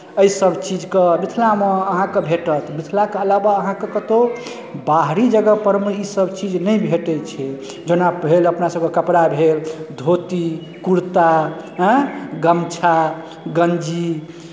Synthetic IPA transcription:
əisəbt͡ʃid͡ʒkemit̪ʰlameəɦãkebʱeʈət̪mit̪ʰlakeəlabaəɦãkekət̪o | baɦɾid͡ʒəɡəpəɾmeisəbʱt͡ʃid͡ʒnəjbʱeʈɛt͡ʃʰɛ | d͡ʒonabʱeləpnasəb̚kekəpɾabʱeld̪ʱot̪i | kuɾt̪aɦə̃ɡəmt͡ʃʰa | ɡənd͡ʒi

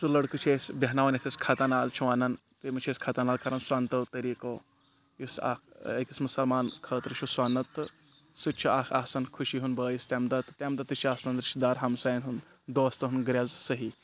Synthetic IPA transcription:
sɨlɐɽkut͡ʃʰeːsʲbɐɦnaːʋɐnɐt̪ʰiskʰɐt̪ɐnaːlt͡ʃʰuʋaːnɐn | t̪emɐt͡ʃʰeːskʰɐt̪ɐnaːlkɐɾɐnsaːnt̪ɐt̪ɐɾiːkoː | jusa̰kekʲismɐsɐlmaːnkʰəːt̪ɾɨt͡ʃʰuswaːnɐt̪ɨ | sɨt͡ʃʰiaːkʰaːsɐnkʰuʃiɦunbəːjist̪emd̪ɐt̪t̪ʲemd̪ɐt̪ɨt͡ʃʰiaːsnɐnɾɪʃd̪aːɾɦɐmsaːjnɦun | d̪oːst̪ɐɦunɡɾʲaːzsɐɦi

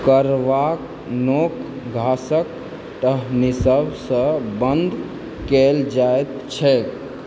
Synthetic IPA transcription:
kəɾʋak | nok | ɡʱasək | ʈəɦnisəbsə̃bənd̪ʱ | keld͡ʒaet̪t͡ʃʰɛ

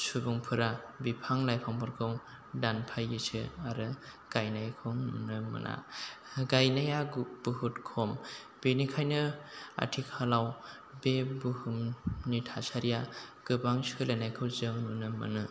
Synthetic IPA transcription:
subuŋpʰɯɾabipʰaŋlajpʰaŋbʰɔɾkʰɯŋ | danpʰajɯsʰɯaɾɯ | ɡ̥ajnajkʰɔŋnunɯmɯ̰nʔa̰ | ɡajnajaɡb̥uɦutkʰɔm | b̥enikʰajnɯa̰tʰikʰalaw | bebuhumnitʰasaɾijaɡ̥ɯbaŋsɯlanajkʰɯwzɯŋnunɯmɯ̰nɯ

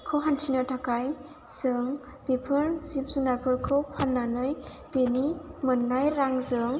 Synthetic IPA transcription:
kʰɯwɦantʰinatʰakaj | z̥ɯŋ | bepʰɯɾz̥ipsunaɾpʰɯɾkʰɯwhanːanɯj | b̥enimɯnːajɾaŋzɯŋ

